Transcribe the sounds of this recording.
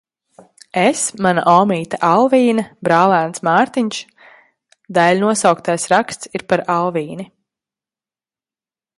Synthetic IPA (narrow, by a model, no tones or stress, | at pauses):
esmana̰ʔɔːmiːt̪aʔalˠviːnabɾaːlˠæːnsmaːɾt̪iɲʲʃ | d̪alʲnuɔsawkt̪ajsɾakst̪siɾpaɾalˠviːni